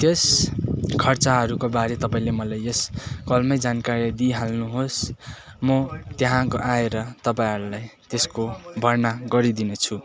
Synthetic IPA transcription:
t̪es | kʰʌrt͡saɦʌɾukobaɾet̪ʌpaĩlemʌlajeskʌlmʌjd͡zankaɾid̪iɦalnuɦos | mʌt̪jeɦãkoʔaeɾʌt̪ʌpaĩɦʌɾulajt̪eskobʱʌrnaɡʌɾid̪inʌt͡sʰu

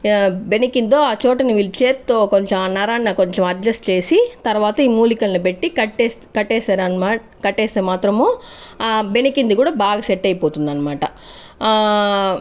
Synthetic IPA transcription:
benikind̪oːaːt͡ʃoːʈɐniʋilt͡ʃeːt̪ːoːkoɲt͡ʃɐmnɐɾaːnːɐkoɲt͡ʃɐmɐɾd͡ʒɐsʈt͡ʃe̞ːsit̪ɐɾʋaːt̪ɐiːmuːlikɐlnupeʈːikɐʈːeːskɐʈːeːsaːɾɐna | kɐʈːeːst̪eːmaːt̪ɾɐmoː | benikind̪ukuːɽabaːɡɐseʈːɐjpoːt̪und̪ɐnːɐmaːʈɐ

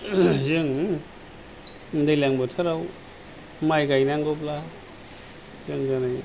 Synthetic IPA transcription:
zɯŋ | ndajlaŋbɔtʰaɾaw | majɡajnaŋɡɔpla | zɯŋzɯnɯj

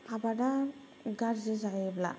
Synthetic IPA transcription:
pʰabada | ɡaɾzezajebla̰

